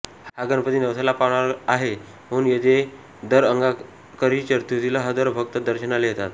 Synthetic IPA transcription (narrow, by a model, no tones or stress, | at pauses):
hhaɡənpət̪iːnəʋsalapaʋɳaɾaɦe | m̤əunjed͡ʑ̪e | d̪əɾəŋɡa | kəɾit͡ɕəɾt̪ut̪iləɦəd̪əɾbʱək̚t̪əd̪əɾɕənaleɦet̪at̪